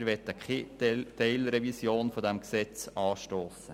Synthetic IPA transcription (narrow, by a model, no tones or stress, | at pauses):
ɾʋɛt̪ːəkettɛɪlɾɛvisjoːnfodæmksɛt͡sɑːʃtoːsə